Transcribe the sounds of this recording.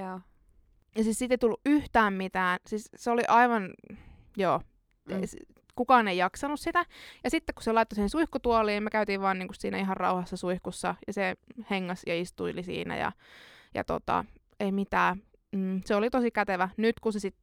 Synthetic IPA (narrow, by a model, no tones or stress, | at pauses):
jɑsiːssit̪eit̪ulːuʔʔyht̪æːmmit̪æːnsiːsseoliʔɑiʋɑn | joː | s | kukɑːneijɑksɑnussit̪æjɑsit̪ːeku̥selɑit̪ːosihensuihkut̪uɑliːnmøkæyt̪iːʋʋɑːniːŋkussiːnæ̰iɦɑrrɑ̰uhɑsːɑsuihkusːɑjɑseheŋːɑsjɑist̪uilisḭːnæ̰jɑ̰jɑ̰t̪o̰t̪ɑ̰ | eimit̪æː | m̩ːseolit̪osikæt̪eʋænyt̪kusesit̪